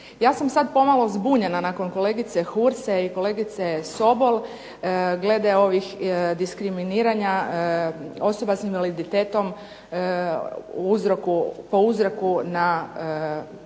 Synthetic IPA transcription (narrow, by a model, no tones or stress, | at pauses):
jaːsamsad̪po̞malˠo̞zbuːɲenanako̞nko̞le̞ɡit̪sexuɾseiko̞le̞ːɡit̪seso̞bo̞lˠ | ɡle̞d̪eo̞ʋixd̪iskɾiminiːɾaɲa | o̞so̞basinʋalid̪it̪eːt̪o̞m | uzɾokupo̞uzɾokuna